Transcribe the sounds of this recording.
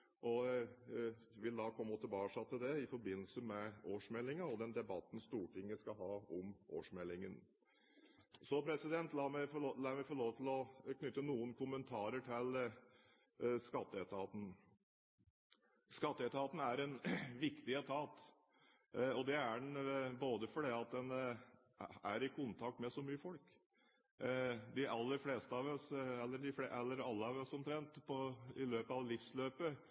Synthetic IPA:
ʔɔ | ʋɪld̪ɑːkʰɔmːɔt̪ʰəbɑːʂɑt̪ːəd̪ɛɪfɔɾbɪnːl̩səmɛoːʂmɛlːɪŋɑɔd̪ɛnd̪ɛbɑt̪ːn̩st̪uːʈɪŋːəskɑɦɑːɔmʔo̰ːʂmɛlːɪŋən | sɔpʰɾɛsɪd̪ɛnt̪lɑːmɛlɑːmɛfɔɭoːʋt̪ʰɪlɔkʰnʏt̪ːənuːənkʰʊmənt̪ʰɑːɾəʈʰɪl | skɑt̪ːəɛt̪ɑːt̪n̩ | skɑt̪ːəɛt̪əɑːt̪n̩æɾɛnʋɪkt̪ɪət̪ʰɑːt̪ | ɔd̪ɛæɖɳ̩boːd̪əfɔɖɛɑt̪̚d̪ɛn | æɾɪkʰʊnt̪ʰɑk̚t̪mɛsɔmyːəfɔlk | d̪ɪʔɑlːəɾfleːst̪əɑʋɔsɛlːəɖɪfleʔɛlːəɾɑlːəɑʋɔsɔmt̪ʰɾɛnt̪pʰɔɪløːpəɑʋlɪfsløːpə

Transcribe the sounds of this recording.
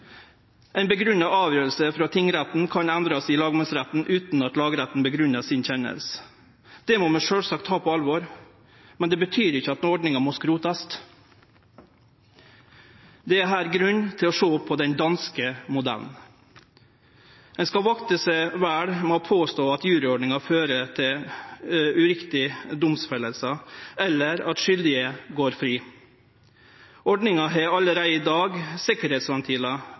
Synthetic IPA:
ɛɪnbəɡɾʉnɑɑːʋjøːɾəlsəfɾɑt̪ʰɪŋːɾæt̪n̩kʰɑnænd̪ɾɑsɪlɑːɡmɑnsɾæt̪n̩ʔʉːt̪nɑt̪lɑːɡɾæt̪n̩bəɡɾʉnːɑsɪnçɛnə̰ls | d̪̥ɛmoːmɛʂøːlsɑkt̪hɑːpʰɔɑlʋɔɾ | mɛnd̪ɛːbət̪ʰyːɾɪçːəɑt̪nɔɖɳɪŋɑmoskɾuːt̪ɑst̪ | d̪ɛæɦæːɾɡɾʉnt̪ʰɪlɔʂoːpʰɔd̪ɛnd̪ɑnskəmʊd̪æ̰ln̩ | ɛnskɑʋɑkt̪əsəʋæːɽmoːpʰoːst̪oːɑt̪jʉːɾɪɔɖɳɪŋɑføːɾət̪ʰɪ | ʉɾɪkt̪ɪd̪ʊmsfɛləlsəɛlːəɾɑt̪ʃʏld̪ɪəɡoːɾfɾiː | ɔɖɳɪŋɑɦɛɑləɾæɪiːd̪ɑːɡsɪkəɾheːt̪sʋɛnt̪ʰiːlɑ

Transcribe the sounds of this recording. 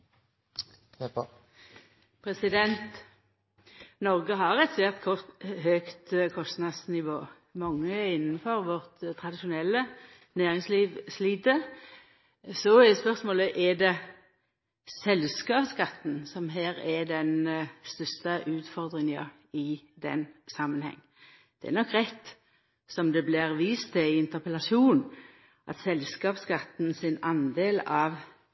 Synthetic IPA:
pʰɾɛsɪd̪ɛnt̪ | nɔʁɡəɦɑʁɛt̪sʋeːʁt̪kʰɔhøːkt̪kʰɔst̪nɑd̪snɪʋoː | mɑŋːəɪnːənfɔɾʋɔʁt̪t̪ʰːʁɑd̪ɪʃʊnɛlːə | næːʁɪŋsliːʋsliːt̪ə | sɔɛspœʁsmoːləʔɛd̪ɛ | sɛlskɑːpskɑt̪ːn̩sɔmɦæːɾɛd̪ɛnst̪œst̪əʔʉːt̪fɔʁd̪ʁɪŋə | ɪd̪ɛ̰nsɑmːənhɛ̰ŋː | d̪̥ɛɛ̰ɾnɔkːʁɛt̪ː | sɔmd̪ɛblɪʁʋiːst̪ʰːɪæɪɪnt̪əʁpəlɑsuːn | ʔɑ̰t̪sɛlskɑːpskɑt̪n̩sɪnɑnd̪eːlɑʋ

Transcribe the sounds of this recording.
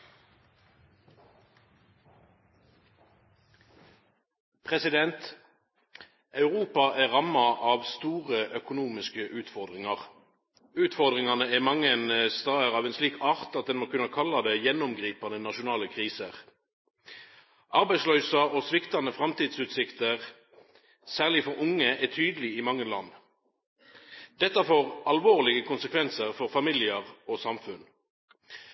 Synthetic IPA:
pʰʁɛsɪd̪ɛnt̪ | ʔɑʉʁuːpɑʔæːʁɑmɑʔɑːʋst̪uːʁəʔœkʊnuːmɪskəʔʉːt̪fɔʁd̪ʁɪŋɑʁ | ʉːt̪fɔʁd̪ʁɪŋɑnəæːmɑŋənst̪ɑːəʁɑːʋeːnsliːkʰɑːʁt̪ɑt̪̚d̪ɛnmoːkʉnɑkʰɑlɑd̪eːjɛnʊmɡʁiːpɑnənɑʃʊnɑːləkʰʁiːsəʁ | ʔɑʁbæɪslœʏsɑoːsʋɪkt̪ɑnəfʁɑmt̪iːd̪sʉːt̪sɪkt̪əʁ | sæːʁlɪfɔʁʔʊŋːəʔɛt̪ʰyːd̪əlɪɪmɑŋːəlɑ̰nː | d̪̥ɛt̪ːɑfoːʁɑlʋoːʁlɪɡəkʰʊnsəkʰʋɛnsəʁfɔʁfɑmɪlɪəʁoːsɑmfʉn

